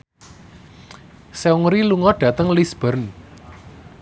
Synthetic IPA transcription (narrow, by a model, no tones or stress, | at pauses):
seuŋɾiluŋɔɖ̥ä̤t̪əŋlisb̥ə̤rn